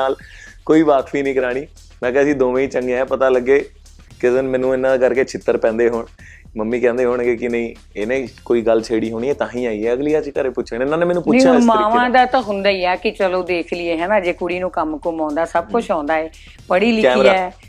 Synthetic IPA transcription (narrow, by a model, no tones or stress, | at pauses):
aːlkoːiːʋaːkpiːnĩːkəɾaːɽ̃iː | nãːkeəsĩːd̪oːʋẽĩːt͡ʃəŋɡeːɛ̃ːpət̪aːləɡːeː | kɪsənmɛ̃ːnũːɪnãːd̪kəɾkeːt͡ʃʰɪt̪ːəɾpɛ̃ːnd̪eːɦoːɳ | məmːiːkɛ̃ːnd̪eːɦoːɳɡeːkɪnəĩː | eːnẽkoːiːɡəlt͡ʃʰeːɽiːɦoːɳiːɛːt̪ãːɦĩːaːiːɛːəɡliːət͡ʃkəɾepʊt͡ʃʰːnɪnãːneːmɛːnũːpʊnʃaʊmaːʋãːd̪aːt̪ãːɦʊnd̪aːiːɛːkɪt͡ʃəloːd̪eːkʰlɪeːɦɛːnaːd͡ʒeːkʊɽiːnũːkəmkʊmɔ̃ːnd̪aːsəb̚kʊt͡ʃʰɔ̃ːnd̪aːeː | pəɽiːlɪɛːimɾːaɛː